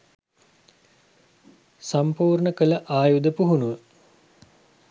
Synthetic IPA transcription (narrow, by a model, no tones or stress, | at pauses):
sampuːrɳəkələʔaːjud̪əpuɦunuʋə